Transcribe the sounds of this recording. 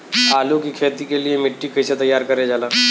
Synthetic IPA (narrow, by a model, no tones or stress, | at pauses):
aːlukikʰeːt̪ikeliemɪʈːikɐjset̪ɐjːaːɾkɐɾed͡ʒaːlaː